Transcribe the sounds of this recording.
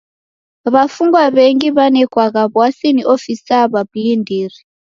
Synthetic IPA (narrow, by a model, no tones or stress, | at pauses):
βafuŋɡwaβeŋɡiβanɛkwaɣaβwasiniʔofisaβablindiːri